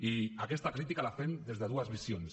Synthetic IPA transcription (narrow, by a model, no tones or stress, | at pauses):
iakɛst̪akɾit̪ikalafend̪ezðəðuazβisjons